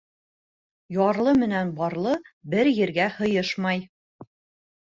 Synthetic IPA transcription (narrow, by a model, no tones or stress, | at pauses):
jɒɾlˠɤmɘ̆nænbɒɾlˠɤbɘɾjɘ̆ɾɡæhɤ̆jɤʃmɑj